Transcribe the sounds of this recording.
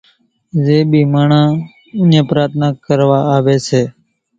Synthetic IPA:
zeːɓiːmaːɳãː | ʊ̃nẽːpɾaːt̪ʰnaːkəɾʋaːaːʋeːseː

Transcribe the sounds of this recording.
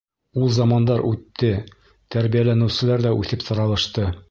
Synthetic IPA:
ulˠzɑmɑnd̪ɑɾʔʉt̪ːɘ | t̪æɾbijælænɘ̆wsɘ̆læɾd̪æʔʉθɘpsŏɾɑlˠɤ̆ʃt̪ɤ

